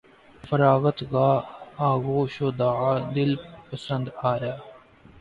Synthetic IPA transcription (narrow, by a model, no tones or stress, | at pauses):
fɐɾaːɣət̪kaːaːɣoːʃoːd̪aːad̪ɪlpəsə̃nd̪aːjaː